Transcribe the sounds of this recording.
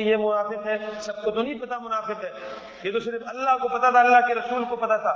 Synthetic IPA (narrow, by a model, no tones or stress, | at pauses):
jemʊnaːfɪqɦɛsɐb̚kot̪onɐĩpɐt̪amʊnaːfɪqɦɛː | jet̪oʃɪɾəfɐlːaɦkopɐt̪at̪ʰaɐlːaɦkeɾɐsuːlkopɐt̪at̪ʰaː